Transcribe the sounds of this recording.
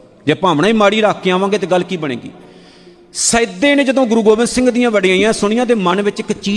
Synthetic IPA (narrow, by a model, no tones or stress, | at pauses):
d͡ʒeːpãːʋɽaːiːmaːɽiːɾaːkːeːãːʋãːŋɡeːt̪̬eːɡəlːkiːbəɽ̃ḛːɡḭː | səd̪eːneːd͡ʒəd̪õːɡʊɾuːɡoːʋɪnd̪sɪ̃ŋɡd̪ɪjãːʋəɖãːĩãːsʊɽɪjãːd̪eːmənʋɪt͡ʃɪkt͡ʃiː